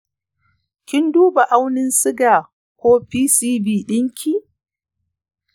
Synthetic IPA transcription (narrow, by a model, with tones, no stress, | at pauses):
kʲɪ˦nduː˦ba˨ʔa˦wnɪ˦nsɪ˦ɡaː˨ | kʷoː˦ɸiː˦siː˦biː˦˨ɗɪ˦ŋkʲʰiː˨